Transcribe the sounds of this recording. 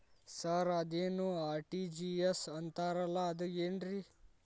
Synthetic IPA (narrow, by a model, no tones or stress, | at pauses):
sɐɾɐd̪eːnuaːɾʈid͡ʒiesɐnt̪aːɾɐlːɐːd̪ueːɳɖɾi